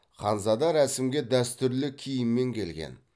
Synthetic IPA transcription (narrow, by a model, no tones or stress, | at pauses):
χɑnzɑd̪ɑɾæsɪmɡʲe̞d̪æst̪ʏɾlɪkʲʰijɪmːe̞ŋkʲʰe̞lɡʲḛn